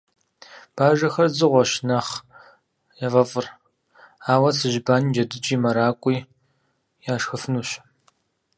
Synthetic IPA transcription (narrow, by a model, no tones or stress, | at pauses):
b̥aːʒɐxɐrzɨʁʷɔʃnɐχ | jɐvɐfʼɨr | aːwɐsɨʒbaːnd͡ʒɐdɨt͡ʃʼiːmɐɾaːkʷʼiː | jaːʃxɨfɨnuːɕ